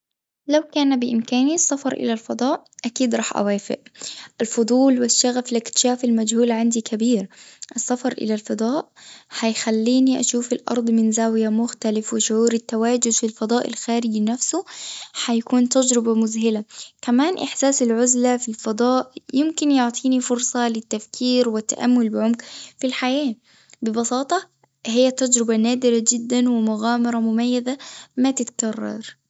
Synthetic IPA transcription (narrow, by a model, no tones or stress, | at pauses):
lawkaːnabɪʔɪmkaːnisˤːɑfɑɾˤʔɪ̰lalfɑd̪ˤɑːʔʔakiːd̪ɾˤɑːħʔa̰waːfɪ̰ʔɪlfʊd̪ˤuːlwɪʃːaɣaflɪkt̪ɪ̥ʃaːfɪlmad͡ʒhuːlʕand̪ikʰabiːɾʔɪsːɑfɑɾˤʔɪ̰lalfɑd̪ˤɑːʔħajxalːiːniʔa̰ʃuːfɪlʔɑ̰ɾˤd̪ˤmɪnzaːwɪjamʊxt̪alɪfwɪʃʊʕuːɾɪt̪ːawaːd͡ʒʊd̪filfɑd̪ˤɑːʔɪ̰lxaːɾɪd͡ʒnafsʊħajakuːnt̪ad͡ʒɾɪbamʊzɦɪlakamaːnʔɪħsaːsalʕʊzlafilfɑd̪ˤɑːʔjɪmkɪnjʊʕt̪ˤiːnifʊɾsˤɑlɪt̪ːafkʰiːɾwɪt̪ːa̰ʔamːʊlbɪʕʊmkfilħajaː | bɪbɑsˤɑːt̪ˤɑ | hɪjːat̪ːad͡ʒɾɪbanaːd̪ɪɾad͡ʒɪd̪ːanwɪmʊɣaːmɑɾˤɑmʊmajːazamat̪ɪt̪kɑrˤːɑ̰ɾˤ